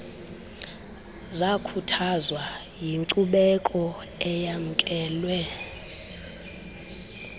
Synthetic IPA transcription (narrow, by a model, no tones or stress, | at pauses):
zakʰutʰazwa | jiŋǀuɓɛkʼɔ | ɛjam̩kʼɛːlwɛ